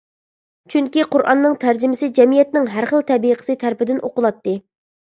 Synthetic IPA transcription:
t͡ʃʰyŋkʲiqʊɾʔɑ̰nːɨŋt̪ʰæɾd͡ʒɪmɪsɪd͡ʒɛmijɛt̪nɪŋɦæɾχəlˠt̪ʰɛbijqʰə̥sɨt̪ʰæɾpɪd̪ɪnʔo̰qʊlˠɑt̪ːɨ

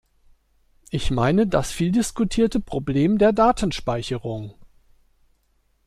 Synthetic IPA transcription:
ʔɪçmaɪnədasfiːldɪskutʰiːɐtəpʁ̥obleːmdeːɐdaːtʰn̩ʃpaɪçəʁ̞ʊŋ

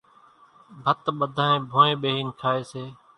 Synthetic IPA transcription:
bʱət̪ɓəd̪ʱãːẽːbʱõːẽːɓeːɦiːnkʰaːeːseː

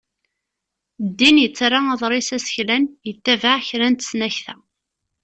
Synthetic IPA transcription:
d̪ːinjət͡sːrɑɑðˤɾˤɪsæsə̥çlænjət̪ːævaʕçɾænt̪ə̥snæçθæ̰

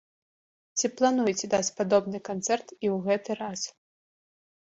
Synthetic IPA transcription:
t͡sʲiplˠanujt͡sʲɛd̪at͡sʲpad̪ɔbnɨkant̪sɛrt̪iwɣɛt̪ɨɾas

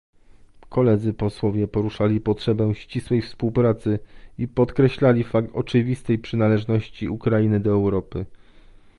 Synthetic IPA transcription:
kʰɔlɛd̪zɘpɔswɔvʲjɛpɔɾuʂalʲipɔtʂɛbɛw̃ɕt͡ɕiswɛjfspuwpɾat̪sɘipɔt̪kɾɛɕlalʲifakt̪ɔ̰t͡ʂɘvʲist̪ɛjpʂɘnalɛʐnɔɕt͡ɕiukɾainɘd̪ɔɛwɾɔpɘ

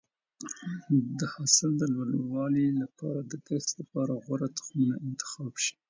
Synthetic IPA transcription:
d̪əhasɪld̪əlwalwɑlilapɑ̰ɾad̪əɡ̪axslapɑɾaɣwaɾat̪ʊ̥xmunaɪnt̪ɪ̥xɑbʃi̥

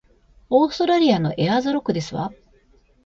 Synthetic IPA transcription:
oːst̪oɾaɾʲiano̞̰ʔe̞azɨɾo̞kɯ̟d̪e̞sɨβa̰

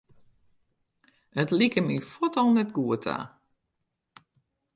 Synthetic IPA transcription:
ətlikəmifɔtɔlˠnɛtɡuətʰa̰

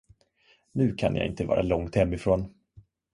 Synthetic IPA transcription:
nʉ̟ːkʰanjʔa̰ɪ̰nt̪əvɑ̰ːɾʔalɔŋt̪hɛmːɪfɾoːn

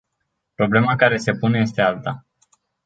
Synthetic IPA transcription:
pɾo̞ble̞makaɾe̞se̞pune̞je̞st̪e̞alt̪a

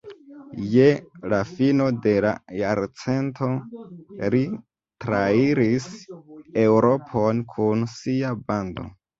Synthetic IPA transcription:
je̞lafino̞de̞la̰jaɾt͡se̞ntʰo̞ | ɾi | tɾaiɾisewɾo̞pʰo̞nkʰunsiabando̞̰

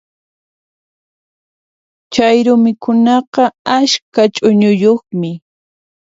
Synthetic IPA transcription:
t͡ʃajɾʊmɪkʊnɑqɑaʃkat͡ʃʼʊɲʊjoχmɪ

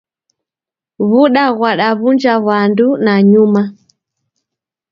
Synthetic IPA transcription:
βuɗaɣwaɗaβund͡ʒaβandunaɲuma

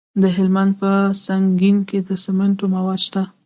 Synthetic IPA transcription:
d̪əɦɪlmand̪̚pəsaŋɡinked̪əsɪməɳʈomawɑd̪ʃt̪a

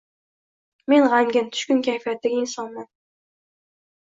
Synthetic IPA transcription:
me̞nʁaŋɡʲɪnt̪ʰʊ̥ʃkʲʊnkʲʰajfijat̪ːaɡʲaɪnsɒnman

